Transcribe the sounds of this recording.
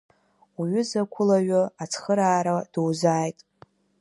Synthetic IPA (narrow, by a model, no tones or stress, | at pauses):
uɥʏzakʷʰʊlaɥʊat͡sʰχəɾaːɾad̥owzaːjtʼ